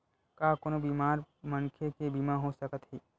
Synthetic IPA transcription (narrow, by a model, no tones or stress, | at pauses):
kaːkonobiːmaːɾməŋkʰekebiːmaɦosəkət̪ɦiː